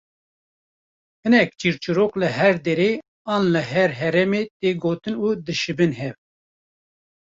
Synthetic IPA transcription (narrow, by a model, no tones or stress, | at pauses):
hɨnɛk̚t͡ʃiɾt͡ʃuɾoklɨɦɛɾd̪eɾeː | ɑːnlɨɦɛɾɦɛɾɛmeːt̪eɡoːt̪ɨnuːd̪ɨʃɨbɨnhɛv